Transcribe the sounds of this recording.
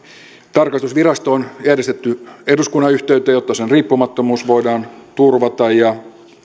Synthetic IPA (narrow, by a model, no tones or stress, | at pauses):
t̪ɑrkɑst̪usʋirɑst̪oːnjæɾest̪et̪ːyeduskunːɑyht̪eyt̪ːˑæjo̞t̪ːɑsenriːpːumɑt̪ːomuːsʋo̞idɑːnt̪urʋɑt̪ɑjjɑ